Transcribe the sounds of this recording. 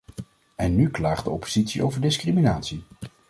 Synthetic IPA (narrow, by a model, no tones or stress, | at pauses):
ɛnːyklaːχdəɔpo̥z̥itsiʔo̰wvəɹdɪskriminaːtsi